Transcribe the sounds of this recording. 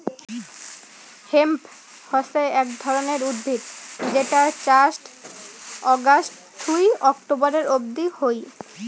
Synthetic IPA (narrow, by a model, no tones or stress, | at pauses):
hemp | hɔseɛkd̪ʱɔɾoneɾud̪̚bʱit̪d͡ʑeʈaɾt͡ɕasʈ | ɔɡasʈ | t̪ujɔkʈoboɾeɾob̚d̪ihoj